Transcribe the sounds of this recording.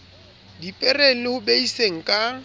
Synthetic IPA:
dipʼɛrelɪhʊbeiseŋ̩kʼa

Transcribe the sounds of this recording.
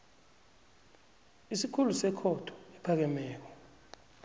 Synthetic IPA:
isikʰulusɛkʰɔtʰɔ̥ɛpʰak̬ɛmɛːk̬ɔ

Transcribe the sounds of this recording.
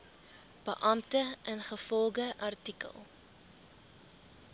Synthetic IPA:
b̥əʔɐmtəʔənχəfɔlˠɡəʔɐrtikə̰lˠ

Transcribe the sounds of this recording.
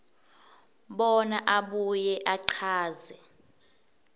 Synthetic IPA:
ɓɔnaʔaɓujɛʔaǃʰaːzɛ

